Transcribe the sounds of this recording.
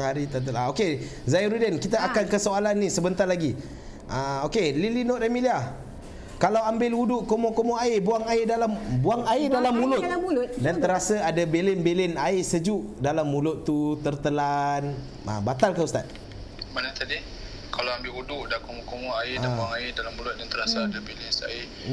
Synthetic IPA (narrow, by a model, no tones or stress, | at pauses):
haɾit̪ərt̪əlaokezaiɾudənkit̪aakankəsoalanːĩsəbənt̪arlaɡi | ʔaokelilinoʔdamiliah | kalawambɪluduʔkomokomoaɪbuaŋaɪdalambuaŋaɪdalamːulʊt̪̚ulʊdant̪əɾasaadabelɪnbelɪnaɪsəd͡ʒuʔdalamːulʊt̪ːut̪ərt̪əlan | a̰bat̪alkəust̪a̰t̪̚ | manat̪adi | kalawambɪludʊʔdakomɔkomɔaɪabuaŋaɪdalamulʊt̪̚dant̪əɾasaadabelɪnsa̰ɪ